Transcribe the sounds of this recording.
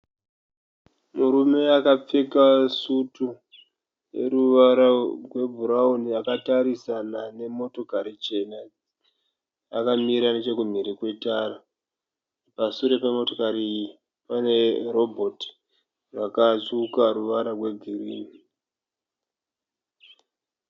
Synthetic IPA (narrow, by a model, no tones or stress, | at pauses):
muɾume̞akap͡fekasutu | je̞̰ɾuʋaɾarwe̞bʱuɾauniakataɾisanane̞mo̞to̞kaɾit͡ʃe̞na | akamiɾane̞t͡ʃe̞kum̤iɾikwe̞tara | pasuɾe̞pemoto̞kaɾi | pane̞ro̞bʱoti̥ | rwakat͡sukaɾuʋaɾarwe̞ɡʱiriːmi